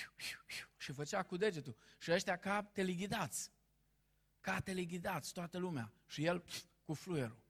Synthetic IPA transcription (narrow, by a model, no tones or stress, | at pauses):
uuuʃifət͡ʃakud̪e̞d͡ʒe̞t̪uʃiəʃt̪jakat̪e̞liɡid̪at̪sʲ | kat̪eliɡid̪at̪sʲt̪oat̪əlumea̰ʃije̞lpkuflueɾu